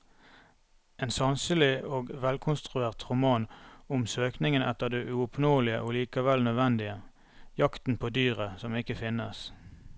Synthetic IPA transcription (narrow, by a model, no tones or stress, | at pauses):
eːnsɑnsəlɪoːɡʋɛlkʰʊnst̪ʁʉeːʁt̪ʁʊmɑːnʊmsøːknɪŋənʔɛ̰t̪əʁd̪eːʔʉʊpnoːlɪə̰ʔoːliːkɑʋɛlnœd̪ʋɛnd̪ɪə | jɑkt̪n̩pʰoːd̪yːʁəsɔmɪkəfɪnəs